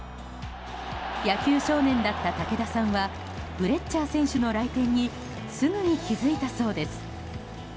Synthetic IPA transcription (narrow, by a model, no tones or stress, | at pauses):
jakʲɨːɕo̞ːnẽ̞nd̪at̪ːat̪ake̞d̪asãɰ̃βa | b̥ɯ̟ɾe̞t͡ɕt͡ɕːaːsẽ̞ɰ̃ɕɨno̞ɾait̪ẽ̞ɲ̟ːi | sɨɡɯ̟ɲ̟ikʲizɨit̪aso̞ːd̪e̞sɨ̥